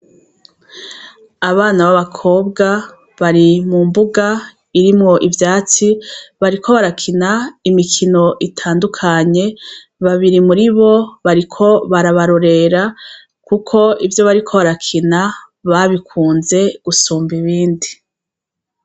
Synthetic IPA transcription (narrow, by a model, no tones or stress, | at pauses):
aβaːnaβaβakʰo̞ːbɡa | βaɾimumbuɡa | iɾimŋo̞ʔivjaːt͡siβaɾikʰo̞βaɾakʰinaimikʰino̞ʔitʰaːndukʰaɲe̞ | βaβiɾimuɾiβo̞βaɾikʰo̞βaɾaβaɾo̞ɾe̞ɾa | kukʰo̞ivjo̞βaɾikʰo̞βaɾakʰina | βaβikʰuːnze̞ɡ̥usuːmbiβiːndi